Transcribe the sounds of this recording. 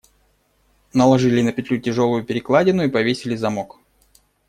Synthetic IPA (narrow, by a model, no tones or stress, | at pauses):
nəlˠɐʐɨlʲɪnəpʲɪt̪ʲlʲutʲɪʐo̞lˠʊjʊpʲɪɾʲɪklˠadʲɪnʊipɐvʲesʲɪlʲɪzɐmok